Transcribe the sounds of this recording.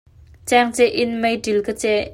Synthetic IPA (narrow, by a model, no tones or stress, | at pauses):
t͡sɛŋt͡sɛʔɪnməjdilkət͡sɛ